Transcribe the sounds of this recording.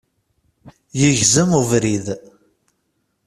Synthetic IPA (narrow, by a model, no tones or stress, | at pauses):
jəʝzəmuvɾið